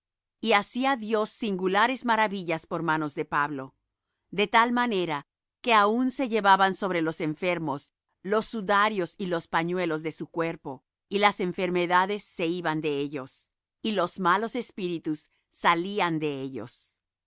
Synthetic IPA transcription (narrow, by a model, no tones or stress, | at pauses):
iasiaðjo̞sːiŋɡulaɾe̞zmaɾaβiʝaspo̞ɾmano̞zðe̞paβlo̞ | d̪e̞t̪almane̞ɾa | ke̞aunse̞ʝe̞βaβanso̞βɾelo̞se̞ɱfe̞ɾmo̞s | lo̞sːuðaɾjo̞silo̞spaɲwe̞lo̞zðe̞sukwe̞ɾpo̞ | ilase̞ɱfe̞ɾme̞ðaðe̞sːe̞iβand̪e̞eʎo̞s | ilo̞zmalo̞se̞spiɾit̪usː | aliand̪e̞eʎo̞̰s